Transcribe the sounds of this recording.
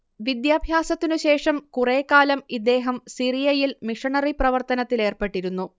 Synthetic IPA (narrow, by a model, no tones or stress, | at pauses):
ʋid̪jaːbʱjaːsɐt̪ːinuɕe̞ːʂɐmkure̞ːkːaːlɐmid̪ːe̞ːɦɐmsirijɐjilmiʂɐɳɐriprɐʋɐrt̪ɐnɐt̪ːile̞ːrpe̞ʈːiɾunːu